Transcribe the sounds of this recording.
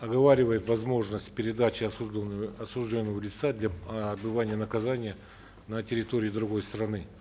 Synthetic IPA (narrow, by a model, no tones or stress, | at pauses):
ɐɡɐvaɾʲɪvəjɪt̪vɐzmo̞ʐnəsʲtʲpʲɪɾʲɪd̪at͡ɕɪɐɐsuʐdʲo̞nːəvəlʲɪt̪sad̪lʲaɐd̪̚bɨvanʲɪjənəkɐzanʲɪjə | nətʲɪɾʲɪt̪o̞ɾʲɪːd̪ɾʊɡo̞jst̪ɾɐnɨ